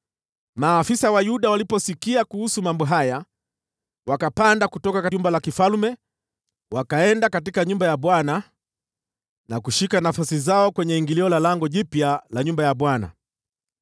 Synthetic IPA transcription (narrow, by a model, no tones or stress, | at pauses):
maːfisawajuɗawalipɔsikiakuhusumambɔɦaja | wakapandakutɔkakaumbalakifalmɛ | wakaɛndakat̬ikaɲumbajaɓwana | nakuʃikanafasizaɔkwɛɲɛiŋɡiliɔlalaŋɡɔʄipjalaɲumbajaɓwana̰